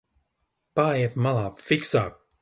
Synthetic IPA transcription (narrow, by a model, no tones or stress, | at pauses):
paːjɛɛt̪malˠaːfiksaːk̚